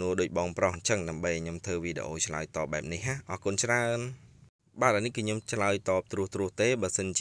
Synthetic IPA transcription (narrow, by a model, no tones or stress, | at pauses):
nuəɗoːc̚ɓɑːŋprɑhɲt͡ɕəŋɗaəmɓəjaɲomt̪ʰɨːʋiːɗḛʔoːt͡ɕʰlaəjt̪ɑːp̚ɓaɛp̚nihɦaːʔɑːkʊnt͡ɕraən | ɓaːt̪̚ʔaːnihkɨːɲomt͡ɕʰlaəjt̪ɑːp̚t̪rʊəht̪rʊəht̪eːɓaːsənt͡ɕ